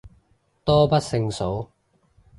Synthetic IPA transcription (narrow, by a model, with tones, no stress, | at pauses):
t̪ɔː˥pɐ˥t̚sɪ˧ŋso˨˥w